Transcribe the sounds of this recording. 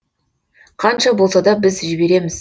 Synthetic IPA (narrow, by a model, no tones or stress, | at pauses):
qʰɑnʃɑbo̞lˠsɑd̪ɑbɪzʒɪbe̞ɾe̞mɪz̥